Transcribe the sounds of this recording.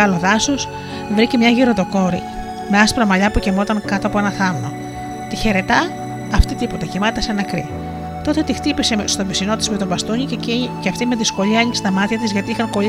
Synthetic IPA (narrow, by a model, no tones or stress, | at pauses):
ɐlo̞ðɐsos | vɾicemɲɐʝiɾot̪o̞ko̞ɾḭ | me̞ɐspɾɐmɐʎɐpucemo̞t̪ɐŋkɐt̪oɐpoenɐθɐmno̞̰ | t̪içe̞ɾe̞t̪ɐː | ft̪it̪ipo̞t̪ecimɐt̪t̪ɐsenɐkɾḭ | t̪o̞t̪e̞t̪ixt̪ipisemst̪ovisino̞t̪izmet̪o̞bɐst̪uɲiceɐft̪imeðisko̞ʎiɐeɲikst̪ɐmɐt̪çɐt̪izʝɐt̪iixɐŋko̞